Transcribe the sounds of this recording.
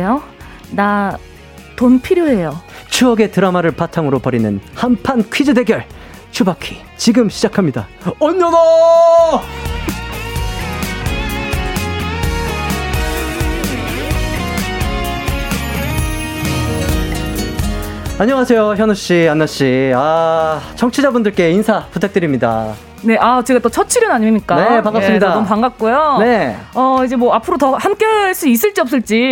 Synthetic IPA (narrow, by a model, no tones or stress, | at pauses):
jo | na | tonpʰiɾjoɦe̞jot͡ɕʰuʌɡe̞tɯɾamaɾɯɭpatʰaŋɯɾopʌɾinɯnhampʰankʰɥid͡ʑɯde̞ɡjʌɭ | t͡ɕʰubakʰi̥ | t͡ɕiɡɯmɕʰid͡ʑakʰamɲida | ʌɲːʌna | aɲʌŋasʰe̞joçjʌnuɕ͈ianːaɕ͈iat͡ɕʰʌŋt͡ɕʰid͡ʑabundɯɭk͈e̞insʰaputʰak̚t͈ɯɾimɲida̰ | ne̞ʔat͡ɕeɡat͈ʌt͡ɕʰʌt͡ɕʰiɾjʌnaɲimiɲik͈anepaŋɡasɯmɲidaompaŋɡak̚k͈ujone̞ʌid͡ʑe̞mwʌapʰɯɾotʌhank͈ʌɭs͈uis̬͈ɯɭt͡ɕ͈iʌp̚s͈ɯɭt͡ɕ͈i